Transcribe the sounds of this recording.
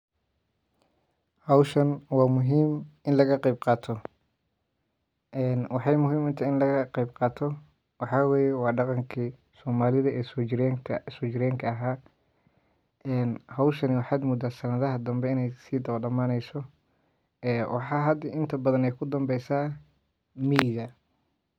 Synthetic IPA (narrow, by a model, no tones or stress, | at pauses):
hɐwʃɐnwɑːmʊɦiːmɪnlɐɣɐqɛjb̚qɑːt̪ʰɔ | ʔɛːnwɑħɑjmʊɦiːmɪnt̪ʰɐɪnlɐɣɐqɛjbqɑːt̪ʰɔ | wɑħɑːweːjɛwɑːɖɑqɑŋkʰi | sɔːmaːlɪðɐʔɛːsɔsɔːt͡ʃɪɾɛːŋkʰɐɐɦaː | ʔɛːnhɐwʃɐnɪwɑħɑːd̪mʊd̪aːd̪sɐnɐðɐɦɐd̪ɐmbɛɪnɛjsiːd̪ɐβɐɖɐmaːnɛjsɔ | ɛːwʔɑ̰ħɑːɦɐd̪ɪʔɪnt̪ʰɐbɐðɐnɛjkʰʊd̪ɐmbɛjsaː | miːɣɐ